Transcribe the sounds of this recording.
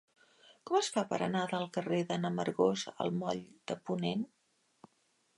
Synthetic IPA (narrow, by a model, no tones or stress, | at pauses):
kɔməsfapə̰ɾə̰naðəlˠkəreðənəməɾɣozə̰lˠmɔʎd̪̥əpunen